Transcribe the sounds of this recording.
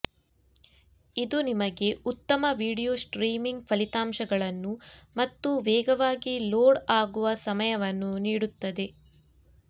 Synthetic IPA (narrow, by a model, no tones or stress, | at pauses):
id̪unimɐɡe̞ut̪ːɐmɐʋiːɽijoːsʈɾiːmiŋɡpʰɐlit̪aːmʃɐɡɐɭɐnːumɐt̪ːuʋɛːɡɐʋaːɡiloːɽaːɡuʋɐsɐmɐjɐʋɐnːuniːɽut̪ːɐd̪e̞